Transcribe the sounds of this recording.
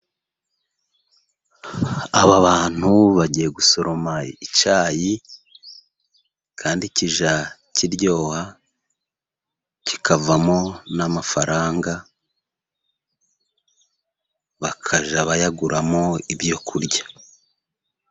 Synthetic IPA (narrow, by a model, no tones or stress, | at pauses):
aβaβaːn̥huβaɟije̞ɡuso̞ɾo̞mait͡ʃaːji | kʰaːndiciʒacʰiɾɟo̞ːha | cikʰavamo̞namafaɾʔaːŋɡa | βakʰaʒaβajaɡuɾamo̞ibjo̞kʰuɾɟa